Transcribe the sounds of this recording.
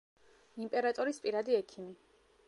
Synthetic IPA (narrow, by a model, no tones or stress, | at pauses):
impʼɛɾat̪ʼɔɾispʼiɾad̪iɛkʰimi